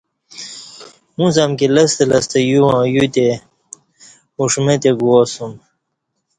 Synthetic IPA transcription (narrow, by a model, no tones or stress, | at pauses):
mũzamkilɐst̪elɐst̪ejuwãjut̪e | uʂmet̪eɡuosum